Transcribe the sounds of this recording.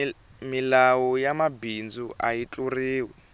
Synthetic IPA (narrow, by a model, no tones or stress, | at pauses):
milawɔjamabind͡zuajit͡ɬʼuriːwɛ